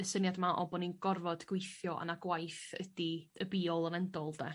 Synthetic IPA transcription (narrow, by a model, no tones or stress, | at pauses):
əsənjadmaʔɔ̰bɔninɡɔrvɔdɡ̥wejθjɔʔa̰naɡwajθə̰diəbiːɔlˠənɛndɔlˠdɛ